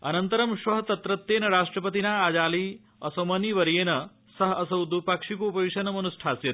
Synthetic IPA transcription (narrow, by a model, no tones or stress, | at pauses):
ɐnɐnt̪ɐɾɐmʃʋɐɦɐt̪ɐt̪ɾɐt̪ːeːnɐɾaːʂʈɾɐpɐt̪inaːaːd͡ʒaːli | ɐsɐmɐniʋɐɾjeːnɐ | sɐɦɐɐsɐwd̪upɐkʂikuːpɐʋiʂɐnɐmɐnusʈʰaːsjɐt̪